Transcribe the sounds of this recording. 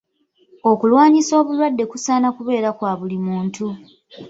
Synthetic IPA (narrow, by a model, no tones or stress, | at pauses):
o̞kulwaːɲiso̞ːβulwadːe̞kusaːnakuβe̞ːɾakwaːβulimuːntʰu